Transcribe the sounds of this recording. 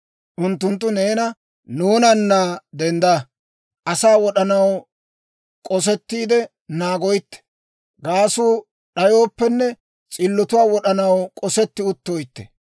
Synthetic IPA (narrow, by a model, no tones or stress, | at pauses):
ʔʊnt̪ːʊnt̪ːʊne̞ːnɐ | nuːnɐnːaːd̪ɛnd̪a | ʔɐsaːwɔɗɐnɐw | kʼɔs̬ɛt̪ːiːd̪ɛ | naːɡɔjɪt̪ːɛ̥ | ɡaːsuː | ɗɐjo̞ːpːɛnːɛ | t͡sʼɪlːɔt̪ʊwaːwɔɗɐnɐwkʼɔsɛt̪ːɪʊt̪ːoːjt̪ːɛ̥̰